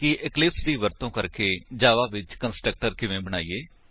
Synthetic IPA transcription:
kɪʔɪklɪpsd̪iːʋəɾt̪õːkəɾkeːd͡ʒaːʋaːʋɪt͡ʃkənsʈɾək̚ʈəɾkɪʋẽːbəɽ̃aːiːeː

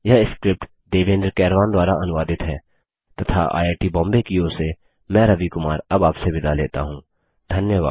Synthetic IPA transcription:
jɐɦɪskɾɪp̚ʈ | ɖeːʋẽːnɖəɾkɛːɾʋaːnd̪waːɾaʔɐnʊʋaːd̪ɪt̪ɦɛː | t̪ɐt̪ʰa̰ʔa̰ːeːʈibɔ̃ːmbekioːse | mɛ̃ːɾɐbikʊmaːɾɐbaːpsebɪd̪aleːt̪a̰ɦũː | d̪ʱɐnjəʋa̰ːd̪

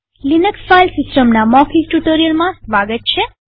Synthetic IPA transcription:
linəksfajlsisʈəmnamɔkʰisʈuʈoɾiəlmãsʋaɡət̪̚t͡ʃʰe

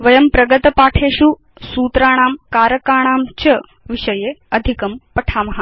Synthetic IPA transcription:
ʋɐjɐmpɾɐɡɐt̪ɐpaːʈʰeːʃu | suːt̪ɾaːɽ̃aːmkaːɾɐkaːɳ̃aːmt͡ʃɐ | ʋiʃɐjeɐd̪ʱikɐmpɐʈʰaːmɐɦa

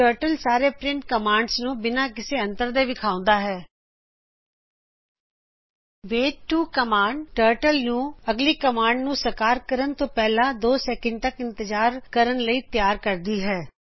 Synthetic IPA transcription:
ʈəːɾʈəlsaːɾeːpɾɪ̃ɳʈ̚kəmãːɳɖsnũːbɪnãːkɪseːə̃nt̪əɾd̪eːʋɪkʰaːʊ̃nd̪aːɦɛː | ʋeːʈuːkəmaːɳɖʈəːɾʈəlnũːəɡliːkəmaːɳɖnũːsəkaːɾkəɾənt̪õːpɛːlãːd̪oːsɛːkə̃ɳɖ̚t̪əkɪ̃nt̪əd͡ʒaːɾkəɾənləiːt̪jaːɾkəɾd̪iːɦɛː

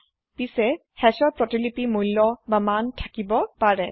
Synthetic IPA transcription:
pisɛ | hɛsɔɹpɹɔtilipimujlːɔbamantʰakibɔpaɹɛ

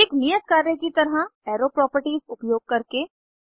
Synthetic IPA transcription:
ɪknijət̪̚kaːɾekit̪ɐɾɦaɛːɾopɾɔːpəɾʈiːzʊpjoːɡ̚kɐɾke

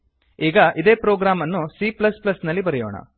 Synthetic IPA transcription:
iːɡɐʔid̪eːpɾoːɡɾaːmɐnːusiplɐsplɐsnɐlːibɐɾɛjo̰ːɳɐ̰

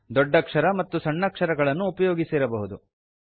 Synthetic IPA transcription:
d̪ɔɖːɐkʂɐɾɐmɐt̪ːusɐɳːɐkʂɐɾɐɡɐɭɐnːuːpɐjoːɡisiɾɐbɐɦud̪u

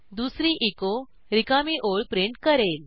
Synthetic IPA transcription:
d̪usɾiʔiko | ɾikamiʔoɭpɾiɳʈkəɾel

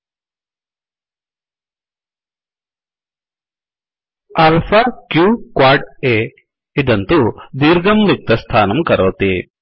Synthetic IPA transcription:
ɐlpʰɐkjuːkwaːɾɖeː | id̪ɐnt̪ud̪iːɾɡɐmlik̚t̪ɐst̪ʰaːnɐmkɐɾoːt̪i

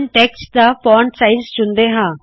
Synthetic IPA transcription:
nʈeːksd̪afɔːɳɖsaɪzt͡ʃʊnd̪eɦãː

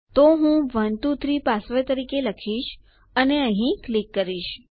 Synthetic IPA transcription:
t̪oɦũʋənt̪ut̪ʰɾipasʋet̪əɾikeləkʰiʃ | əneəɦĩklikːəɾiʃ

